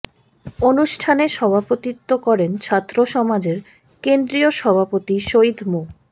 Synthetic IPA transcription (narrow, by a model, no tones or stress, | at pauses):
onuʃʈʰaneʃɔbʱapot̪it̪ːokɔɾent͡ɕʰat̪ːɾoʃɔmad͡ʑeɾ | kend̪ɾioʃɔbʱapot̪iʃoid̪mu